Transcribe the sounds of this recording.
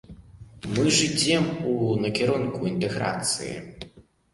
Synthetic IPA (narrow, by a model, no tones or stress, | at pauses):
mɨʐɨd͡zʲɛmunɐkʲɛɾɔnkuint̪ɛɣɾa̰t̪sɨ̰jḭ